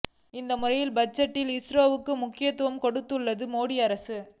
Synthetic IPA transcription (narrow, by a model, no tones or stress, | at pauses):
ɪnd̪ɐmʊrɐjɪlbɐt͡ʃːɐʈːɪlɪsɾoːʋɯkːɯmʊkːɪjɐt̪ːɯʋɐmkɔɽɯt̪ːɯɭːɐðɯmoːɽɪɐɾɐsɯ